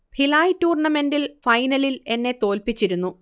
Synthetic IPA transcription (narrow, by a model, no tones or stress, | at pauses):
pilaːjtuːrɳɐme̞ndilfɐjnɐlile̞nːe̞t̪o̞ːlpit͡ɕːiɾunːu